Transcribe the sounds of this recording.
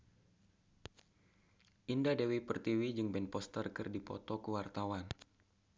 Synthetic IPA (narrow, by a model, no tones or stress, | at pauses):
ʔindadewipərt̪iwid͡ʒɨŋbɛnpɔst̪ərkɨrdipɔ̰t̪ɔkuwart̪awan